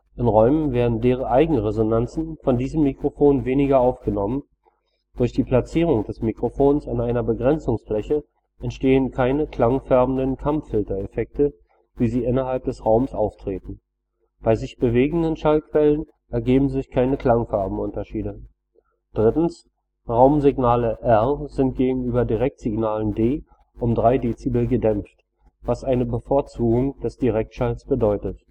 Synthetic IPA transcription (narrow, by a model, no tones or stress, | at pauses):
ʔɪnʁɔʏmənveːɐdn̩deːʁ̞əʔaɪɡŋ̩əʁezonant͡sn̩fɔndiːzəmːikʁ̥ofoːnveːnɪɡɐaʊfɡ̥ənɔmən | d̥ʊɐçd̥iːpʰl̥at͡siːʁ̞ʊŋd̥ɛsmikʁ̥ofoːnsanaɪnɐbəɡʁɛnt͡sʊŋsflɛçə | ʔɛntʃteːənkʰaɪnəkʰl̥aŋfɛɐbm̩dənkʰamfɪltɐefɛk̚tə | viːziːʔɪnɐɦalp̚d̥ɛsʁaʊməsʔa̰ʊftʁ̥eːtn̩ | b̥aɪzɪçb̥əveːɡŋ̩dənʃalkv̥ɛlən | ʔɛɐɡeːbm̩zɪçkʰaɪnəkl̥aŋfaɐbm̩ʔʊntɐʃiːdə | d̥ʁɪtn̩s | ʁaʊmzɪɡnaːləʔɛʁzɪnt̚ɡ̥eːɡŋ̩yːbɐdiʁɛk̚tz̥ɪɡnaːləndeː | ʔʊmdʁaɪdeːt͡sibəɡədɛmft | vasʔaɪnəbəfoːɐt͡suːɡʊŋd̥ɛsd̥iʁɛk̚tʃalsb̥ədɔʏtət